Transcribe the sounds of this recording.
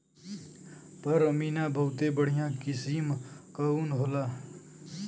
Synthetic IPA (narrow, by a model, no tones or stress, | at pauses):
pəɾəmiːnaːbʱəwt̪eːbəɽ̤jãːkɪsiːmkəuːnɦoːlaː